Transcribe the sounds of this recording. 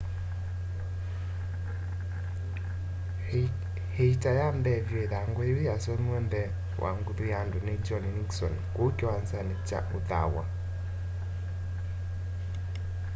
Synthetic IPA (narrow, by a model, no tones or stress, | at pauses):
heitajamdɛvjɔeðaŋɡɔewejasɔmwɛndɛ | wʔa̰ŋɡuðujandoned͡ʒɔnniksɔnkokɔwansanet͡ʃa̰ʔoða̰wa̰